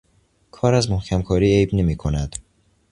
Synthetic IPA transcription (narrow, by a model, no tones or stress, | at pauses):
kʰɒːɾæzmohcʲʰæmkʰɒːɾiːejbne̞miːkʰo̞næd̪̥